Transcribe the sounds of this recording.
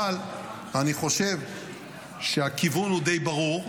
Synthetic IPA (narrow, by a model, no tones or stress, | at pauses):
al | aniχo̞ʃe̞v | ʃeakivunhud̪ejbaʁuʁ